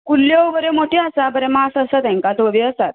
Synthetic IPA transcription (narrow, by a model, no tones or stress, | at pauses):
kuljoʋəɾemoʈiasabəɾɛmasəsət̪ɛ̃ŋkãt̪ʋoʋiəst̪at̪